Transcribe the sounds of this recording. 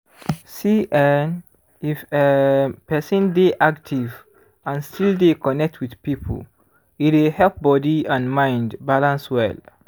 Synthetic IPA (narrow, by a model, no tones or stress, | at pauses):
siʔan | ifepɛsɔ̃ndeʔaktʰiv | ãnstʰildekɔnɛk̚tʰwidpipʰo̰l | itwihɛlp̚bɔdiãnmãɪ̃ndbalãnswɛ̰l